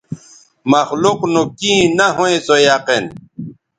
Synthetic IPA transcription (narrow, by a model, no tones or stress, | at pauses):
mɐxluqnukĩnaɦoẽsojaqin